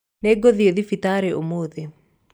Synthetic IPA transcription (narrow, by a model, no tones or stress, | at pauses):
neɡoðieðifit̪aɾɛomoːðe